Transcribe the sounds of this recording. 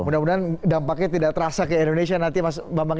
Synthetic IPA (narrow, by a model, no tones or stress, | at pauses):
mudamundandaŋpakɛt̪idaʔt̪əɾasakəindonesianant̪imasbambaŋ